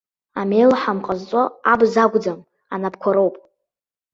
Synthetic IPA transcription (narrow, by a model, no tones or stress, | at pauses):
amejlħamqʼazt͡sʼoabzaɡʷʼd͡zam | anapʰkʷʰaɾowpʼ